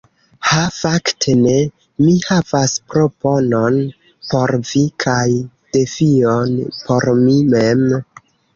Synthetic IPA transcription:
hafaktʰe̞ne̞ | mihavaspɾo̞po̞non | po̞ɾvikʰaj | d̥e̞fionpʰo̞ɾmimem

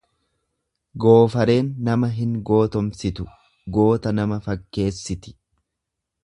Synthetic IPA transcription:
ɡo̞ːfɐɾe̞ːnːɐmɐɦɪŋɡo̞ːt̪ɔmsɪt̪ʊ̥ | ɡo̞ːt̪ɐnɐmɐfɐkːe̞ːsːɪt̪ɪ̥

